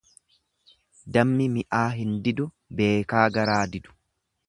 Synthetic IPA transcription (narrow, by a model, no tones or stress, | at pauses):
d̪ɐmːɪmɪʔaːɦɪnd̪ɪd̪ʊ | be̞ːkaːɡɐɾaːd̪ɪd̪ʊ̥